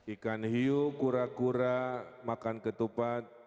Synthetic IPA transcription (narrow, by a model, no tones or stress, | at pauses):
ikanɦiukuɾakuɾamakankət̪upat̪̚